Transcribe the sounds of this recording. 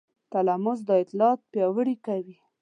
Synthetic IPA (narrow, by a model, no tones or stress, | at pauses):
t̪alamʊzd̪əɪt̪lɑt̪̚pjɑwəɽikawi